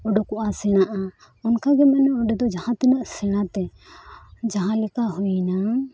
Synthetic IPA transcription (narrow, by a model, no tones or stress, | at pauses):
ɔɖɔkɔʔasɛɽ̃aʔa | ɔnkaɡɛmanɛɔɖɛd̪ɔd͡ʒahãt̪inəʔsɛɽ̃at̪ɛ | d͡ʒaɦãlɛkaɦujna